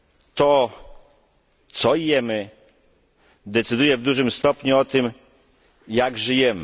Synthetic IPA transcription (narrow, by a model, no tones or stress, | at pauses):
t̪ɔ | t̪sɔijɛmɘ | d̪ɛt̪sɘd̪ujɛvd̪uʐɘmst̪ɔpɲuɔt̪ɘm | jaɡʐɘjɛmɘ